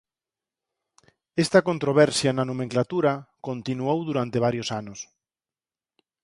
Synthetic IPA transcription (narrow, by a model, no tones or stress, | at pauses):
ɛst̪ɐkont̪ɾoβ̞ɛɾsjɐnanomẽŋklat̪uɾɐkont̪inuowðuɾant̪eβ̞aɾjosanʊs